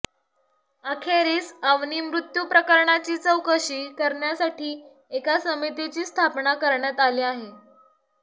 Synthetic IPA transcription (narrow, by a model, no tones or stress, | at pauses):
akʰeɾiːsaʋniːmɾut̪jupɾəkəɾɳat͡ɕiːt͡səwkəɕiːkəɾɳjasaʈʰiː | ekasəmit̪et͡ɕiːst̪ʰapnakəɾɳjat̪aliːaɦe